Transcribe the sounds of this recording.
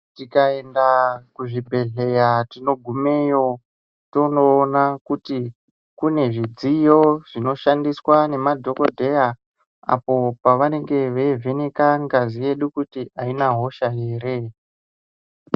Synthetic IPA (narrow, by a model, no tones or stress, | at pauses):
tikae̞ndakuʐibʱe̞ɮe̞jatino̞ɡʱume̞jo̞ | to̞noːnakuti | kune̞ʐid͡zijo̞ʐ̥ino̞ʃandiswane̞madʱo̞ko̞dʱe̞ja | a̰po̞paʋane̞ŋɡe̞ʋe̞ve̞nekaŋɡazije̞ɗukutiainaɦo̞ʃajeːɾe